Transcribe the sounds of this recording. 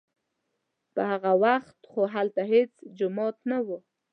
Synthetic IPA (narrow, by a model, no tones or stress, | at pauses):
pəhaɣawaxt̪χoɦalt̪aɦet͡sd͡ʒʊmɑt̪nawo